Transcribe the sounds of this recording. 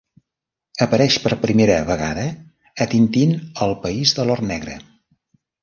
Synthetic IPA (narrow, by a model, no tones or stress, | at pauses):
əpəɾɛʃpəɾpɾimeɾəβəɣa̰ðəː | t̪int̪inəlˠpəizðəlɔrnɛɣɾə̰